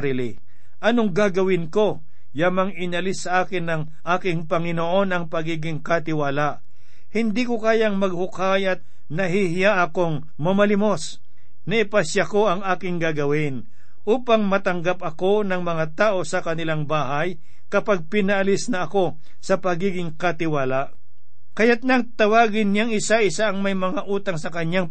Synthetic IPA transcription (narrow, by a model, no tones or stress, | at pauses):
ɾiːlɪ | ʔɐnoŋɡaɡɐwɪnko̞ | jamaŋɪnɐlɪsːɐʔaːkɪnːɐŋ | ʔaːkɪŋpɐŋɪnoʔo̞nɐŋpɐɡiːɡɪŋkɐt̪ɪwaːlaʔ | hɪnd̪ikʊkaːjaŋmɐɡ̚hʊkajɐt̪̚ | nɐɦihɪjaʔɐko̞ŋ | mɐmɐlɪmos | nɐʔɪpɐsjako̞ʔɐŋaːkɪŋɡaɡɐwɪn | ʔuːpaŋmɐt̪ɐŋɡap̚ɐko̞nɐŋmɐŋat̪aːʔo̞sɐkɐnɪlaŋbaːɦaj | kɐpaɡ̚pɪnɐʔɐlɪsnɐɐko̞ | sɐpɐɡiːɡɪŋkɐt̪ɪwaːlaʔ | kɐjat̪̚nɐŋt̪ɐwaːɡɪnɲaŋɪsaʔɪsaʔɐŋmɐjmɐŋaʔuːt̪aŋsɐkɐɲaŋ